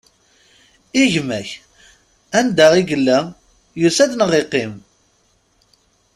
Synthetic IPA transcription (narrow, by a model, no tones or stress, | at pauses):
iʝmæç | ænd̪æʁiɡəlːæ | jusæðnəʁeqːɪm